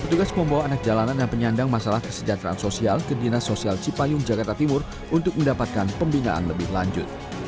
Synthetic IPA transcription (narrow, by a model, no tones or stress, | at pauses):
pət̪uɡasməmbawaːnak̚d͡ʒalanandanpəɲandaŋmasalahkə̥səd͡ʒat̪ɾa̰ansosialkədinasosialt͡ʃipajʊŋd͡ʒakart̪at̪imʊr | unt̪ʊk̚məndapat̪̚kanpəmbina̰ʔa̰nləbɪhlaɲd͡ʒʊt̪̚